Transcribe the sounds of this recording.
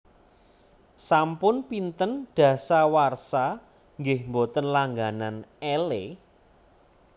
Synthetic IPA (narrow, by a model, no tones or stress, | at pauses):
sampʊnpint̪ənɖ̥ä̤sawarsa | ŋɡɪhmbot̪ənlaŋɡananele